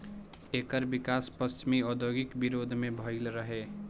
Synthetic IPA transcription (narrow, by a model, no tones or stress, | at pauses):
ekəɾbikaspəst͡ʃimiɔd̪ʱoɡikbiɾod̪ʱmebʱəɪlɾəɦe